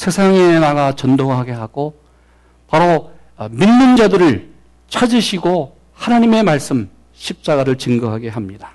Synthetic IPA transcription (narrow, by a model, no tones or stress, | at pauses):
sʰe̞sʰaŋe̞naɡat͡ɕʌndoɦaɡe̞ɦaɡ̥o | paɾo | minːɯnd͡ʑadɯɾɯɭ | t͡ɕʰad͡ʑiɕʰiɡo | hanaɲime̞maɭs͈ɯm | ɕʰip̚t͡ɕ͈aɡaɾɯɭt͡ɕɯŋɡʌɦaɡe̞ɦamɲida